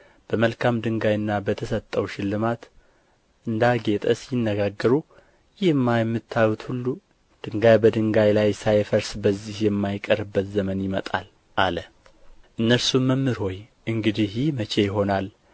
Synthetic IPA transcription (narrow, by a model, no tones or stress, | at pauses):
b̥əməlkʰamd̪ɨŋɡajɨnːabət̪ʰəsət̪ʼːəwʃɪlːɨmat̪ | ʔɨnd̪aɡe̞t̪ʼəsjɪnːəɡaɡːəɾu | jɪhɨmːajɛmːɨt̪ʰːawut̪hulːu | d̪̥ɨŋɡajbəd̪ɨŋɡajlajsajfəɾsbəzːihjɛmːajkʼəɾɨbːət̪zəmənjɪmət̪ʼa̰l | ʔalə | ʔɨnːəɾsuməmːɨɾho̞j | ʔɨŋɡɨd̪ihjimət͡ʃʰe̞jɪɦo̞nal